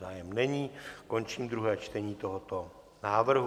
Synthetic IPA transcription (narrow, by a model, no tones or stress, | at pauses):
aːjɛmnɛɲiːko̞nt͡ʃiːmd̪ɾuɦɛːt͡ʃt̪ɛɲiːt̪oɦot̪o | naːvr̩ɦ